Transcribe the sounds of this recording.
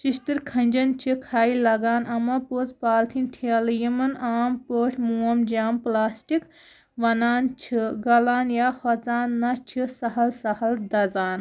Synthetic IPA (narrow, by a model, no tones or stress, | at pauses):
t͡ʃiʃt̪ɨɾkʰɐnʲd͡ʒɐnt͡ʃʰikʰaːilɐɡaːnʔɐmɐpoːzpaːlt̪ʰint̪ʰiɐljimɐnaːmpoːʈʰmuːɐmd͡ʒaːmplaːsʈik | ʋɐnaːnt͡ʃʰiɡɐlaːnjaːhɔt͡saːnːɐt͡ʃʰisɐɦɐlsɐhɐld̪ɐzaːn